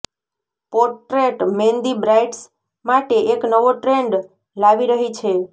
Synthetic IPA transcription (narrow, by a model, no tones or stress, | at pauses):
pɔɾʈɾeʈmend̪ibɾajʈs | maʈeʔeknəʋoʈɾeɳɖ | laʋiɾəɦit͡ʃʰe